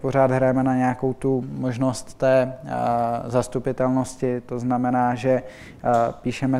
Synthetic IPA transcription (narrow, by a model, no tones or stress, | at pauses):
po̞ɾ̝aːd̪ɦɾajɛmɛnaɲɛako̞wt̪umo̞ʒno̞st̪ːɛː | zast̪upɪt̪ɛlno̞scɪt̪o̞znamɛnaːʒɛ | piːʃɛmɛ